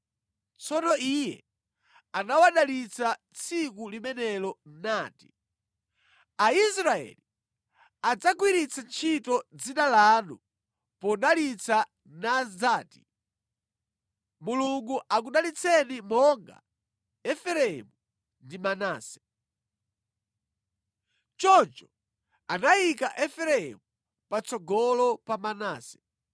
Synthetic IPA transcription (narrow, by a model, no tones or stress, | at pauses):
t͡sʰɔnɔijɛ̰ | anawaɗalit͡sʰa | t͡sʰikulimɛnɛlɔn̩naːti̥̰ | aisɾaɛ̰li | ad͡zakwiɾit͡sʰant͡ʃʰitɔd͡zinalaːnu | pɔɗalit͡sa | nazaːti | muluŋɡuʔak̬uɗalit͡sʰɛnimɔŋɡa̰ | ɛfɛɾɛɛmu | ndimanaːsɛ̥ | t͡ʃɔt͡ʃɔ | anajikaʔɛfɛɾɛɛ̰mu | pat͡sɔɡɔlɔpamanaːsɛ̥